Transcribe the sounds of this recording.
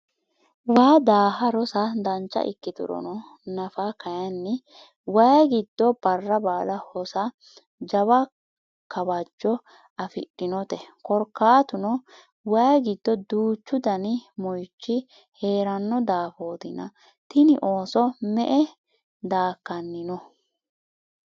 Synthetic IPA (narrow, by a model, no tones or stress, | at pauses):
waːd̪aːɦɐɾɔsɐd̪ɐnt͡ʃːɐ̰ʔɪ̰kːɪt̪ʊ̰ɾɔ̰nɔ | nɐfakɐjɐnːɛ | wɐjɡɪd̪ːɔb̥ɐrːɐbaːlɐhɔsɐ | d͡ʒɐβɐ | kɐbɐd͡ʒːɔ | ɐfɪ̰ɗːɪnɔt̪ɛkɔɾkːaːt̪ʊnɔ | wɐjɡɪd̪ːɔd̪uːt͡ʃːʊd̪ɐnɪmɔjt͡ʃːɪ | he̞ːɾɐnːɔd̪aːfoːd̪ɪnɐ̰ | t̪ɪnɪʔoːsɔmɛ̰ʔɛ | d̪aːkːɐnːɪnɔ